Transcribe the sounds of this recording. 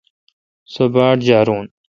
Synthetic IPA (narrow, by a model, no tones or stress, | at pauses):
sobaːʈd͡ʑaːɾuːn